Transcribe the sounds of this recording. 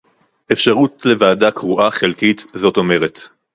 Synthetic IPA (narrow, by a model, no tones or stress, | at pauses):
ʔefʃaʁutle̞vaːdakʁuʔaχelkitzo̞to̞me̞ʁet